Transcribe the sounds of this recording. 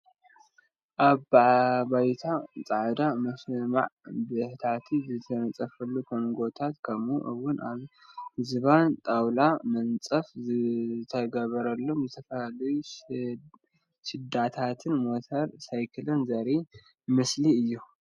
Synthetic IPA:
ʔaβbabajt̪ʰat͡sʼaʕd̪amɐsma̰ʕbɨħt̪ʰat̪ʰizɨt̪ʰɐnɐt͡sʼɐfɐlːukʰonɡo̞t̪ʰat̪kʰɐmuʔɨwʊnaβhzɨβant̪ʼawlamɐnt͡sʼɐfzɨt̪ʰɐɡɐβɐɾɐlːo̞mzɨt̪ʰɐfɐlalɐju | ʃɨd̪at̪ʰat̪ʰɨnmo̞t̪ʰɐɾsajkʰɨlɨnzɐɾi | mɨsliɨjːu

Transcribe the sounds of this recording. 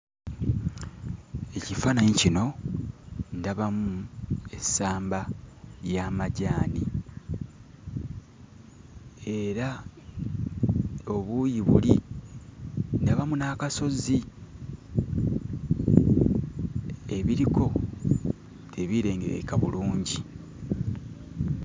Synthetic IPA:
e̞cifanaɲicino̞ | ndaβamue̞saːmbajamaɟaːni | e̞ɾa | o̞βujiβṵli | ndaβamunaːkaso̞zi | e̞βiɾikʰo̞ | tʰeβiɾe̞ːŋɡeɾḛkaβuluːɲɟi

